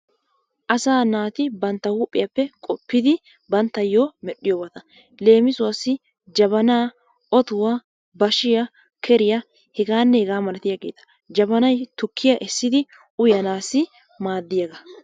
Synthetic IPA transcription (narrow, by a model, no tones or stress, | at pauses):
ʔɐsaːnaːt̪ɪbɐnt̪ːɐwuːpʼːɪjɐpːɛkʼɔpːɪd̪ɪ | bɐnt̪ːɐjoːmɛɗːɪjoːbɐt̪ɐ | le̞ːmɪsʊwɐsːɪ | d͡ʒɐbɐnaː | ɔt̪ʊwaː | bɐʃɪjɐ | kʰɛɾɪjɐ | hɛɡaːnːɛhɛɡaːmɐlɐt̪ɪjaɡe̞ːt̪ɐ̥ | d͡ʒɐbɐnɐjt̪ʊkʰːɪjɐʔɛsːɪd̪ɪ | ʔʊjɐnaːsɪ | maːd̪ːɪjaɡɐ